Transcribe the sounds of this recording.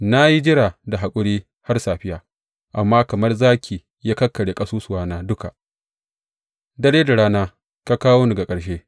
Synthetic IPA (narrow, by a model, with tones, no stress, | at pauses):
na˦ji˦d͡ʒɪ˦ɽaː˨da˨ɦa˨kʷʼʊ˦ɽiː˦ | ha˦rsaː˨ɸɪ˦jaː˨ | ʔa˨mːaː˦kɐ˨mɐ˦rzaː˦kʲʰiː˨ | ja˦kɐ˦kːɐ˨ɽeː˨kʼɐ˦suː˦sʊ˨waː˦naː˦dʊ˦ka˨ʔ | dɐ˦ɽeː˦da˨ɽaː˦naː˦ | ka˦kaː˦woː˦nɐ˨ɡa˨kʼɐ˨ɽʃeː˦